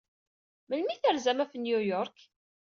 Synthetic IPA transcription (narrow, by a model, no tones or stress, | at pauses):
məlmiθəɾzæmæfənjujɔɾk